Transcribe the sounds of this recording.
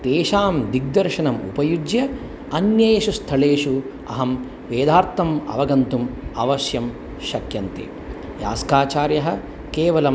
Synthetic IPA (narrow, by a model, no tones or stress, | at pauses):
t̪eːʃaːmd̪iɡ̚d̪ɐɾʃɐnɐmṵpɐjud͡ʒjɐ | ɐnjɐjʃust̪ʰɐɭeːʂu | ɐ̰ɦɐm | ʋeːd̪aːɾt̪ɐmɐ̰ʋɐɡɐnt̪umɐʋɐsjɐm | ʃɐkjɐnt̪ḛ | ja̰ːskaːt͡ʃaːɾjɐɦɐ̆ | keːʋɐlɐm